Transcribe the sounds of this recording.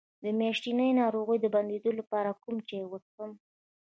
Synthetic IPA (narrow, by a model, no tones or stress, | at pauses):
d̪əmjɑʃʈinəjnɑɾoɣəjd̪əband̪ed̪olapɑɾakumt͡ʃewəsəm